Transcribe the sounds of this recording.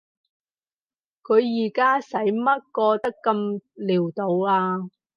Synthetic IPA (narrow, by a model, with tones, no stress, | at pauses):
kʰɵ˨˧ɥjiː˨˩kaː˥sɐ˨˥jmɐ˥t̚kɔː˧t̪ɐ˥kːɐ˧mliː˨˩wt̪o˨˧waː˧